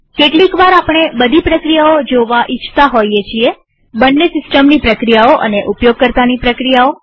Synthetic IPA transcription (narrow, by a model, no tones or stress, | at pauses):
keʈlikʋaɾapɳ̃ebəd̪ʱipɾəkɾijaod͡ʒoʋaʔɪt͡ʃʰt̪aɦojet͡ʃʰie | bənːesɪsʈəmnipɾəkɾijaoʔə̰neʔupjoɡ̚kəɾt̪anipɾəkɾijao